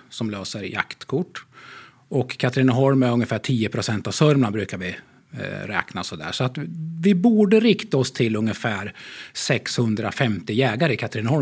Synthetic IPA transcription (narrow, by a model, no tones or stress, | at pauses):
sɔmløːsəɾja̰kt̪kʰʊʈː | ʔɔkʰːat̪ɾɪnəɦɔlmæɾɵŋːəfæːʈʰiːəpʰɾʊsɛnt̪avsœɾmabɾʉ̟ːkaɾvɪ | ɾɛ̰ːknasɔd̪æ̰ːʂɔat̪vɪbuːɖəɾɪkt̪aɔst̪ʰɪlɵŋːəfæːɾsɛkshɵnd̪ɾa̰fɛmt̪ɪjɛːɡaɾəɪkʰat̪ɾɪnhɔl